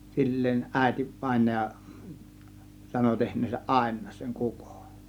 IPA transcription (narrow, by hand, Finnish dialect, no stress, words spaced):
silːeːn ʔæˑe̝ti ʋɑˑe̝nɑjɑ sɑno tehnˑeːsæʔ ʔɑˑe̝nˑɑːs seŋ kuko̥n̥